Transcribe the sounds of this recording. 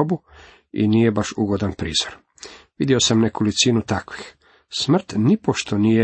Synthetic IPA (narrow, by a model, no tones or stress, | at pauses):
bu | ḭniːje̞baʃuɡo̞d̪anpɾḭːz̥oɾ | ʋid̪jio̞samnekolitsiːnut̪akʋix | smr̩t̪nipoʃt̪ʰo̞nije